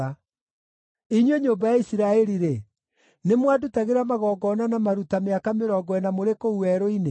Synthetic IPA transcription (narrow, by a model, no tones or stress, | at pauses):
a | iɲweɲoːmbajaisiɾaɛɾiɾe | nemwadutaɣeɾamaɣɔːɡɔnanamaɾutameakameɾɔɡɔɛnamoɾekouɛɾoine